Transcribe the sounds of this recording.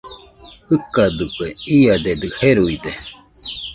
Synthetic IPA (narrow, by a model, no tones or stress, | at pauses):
hɯkad̪ɯkeiad̪ed̪ɨheɾuid̪e